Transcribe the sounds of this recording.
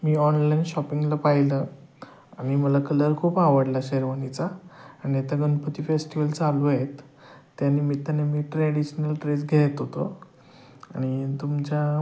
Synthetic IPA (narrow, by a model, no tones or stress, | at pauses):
miːɔnlainɕɔpiŋɡlapajilə | aɽ̃iməlakələɾkʰuːpaʋəɽlaɕeɾʋənit͡saːniat̪aɡənpət̪iːfesʈiʋəlt͡saluaet̪ː | janimiːt̪anemiːʈɾeɽiɕnəlʈɾed͡zɡʱeet̪ɦot̪o | aɽ̃it̪umt͡ɕa